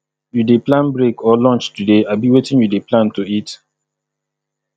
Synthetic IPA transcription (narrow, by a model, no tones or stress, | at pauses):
judeplãnbɹekʰɔlɔ̃nt͡ʃtudeabiwetĩnjudeplãntuit